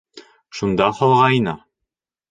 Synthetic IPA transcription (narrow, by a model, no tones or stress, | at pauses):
ʃund̪ɑχɒlˠʁɑjnɑ